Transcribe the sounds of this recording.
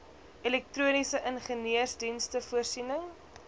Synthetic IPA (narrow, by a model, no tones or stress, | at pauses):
ʔɛlɛk̚truənisəʔənχəniərsdinstəfuərsinəŋ